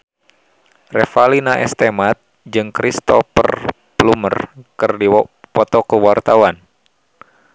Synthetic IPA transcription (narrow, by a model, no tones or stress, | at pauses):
rɛfalinaʔɛ̰st̪ɛmat̪̚ | d͡ʒɨŋkɾist̪ɔ̰pə̰r | plumə̰rkɨrdipɔt̪ɔkəwart̪awan